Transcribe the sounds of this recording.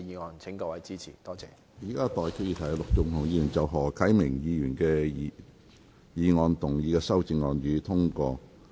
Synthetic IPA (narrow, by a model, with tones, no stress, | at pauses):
jiː˨˧ŋɔː˧nt͡sʰɪ˨˥ŋkɔː˧wɐ˨˥jt͡siː˥t͡sʰiː˨˩t̪ɔː˥t͡sɛ̰ː˨˩ | jiː˨˩kaː˥t̪ɔː˨jkʰə˧jiː˨˧t̪ʰɐ˨˩˨lʊ˨k̚t͡sʊ˨˩ŋt̪ʰʊ˨˩ŋjiː˧jyː˨˩nt͡sɐ˨wɦɔː˨˩kʰɐ˨˥jmɪ˨˩ŋjiː˧jyː˨˩nkɛː˧ | jiː˨˧ŋɔː˧nt̪ʊ˨˩ŋjiː˨˧kɛː˧sɐ˥wt͡sɪ˧ŋːɔː˨˧njyː˨˧t̪ʰʊ˥ŋkɔː˧